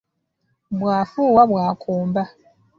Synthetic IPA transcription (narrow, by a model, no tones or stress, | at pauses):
bwaːfuːwaβwaːkʰuːmba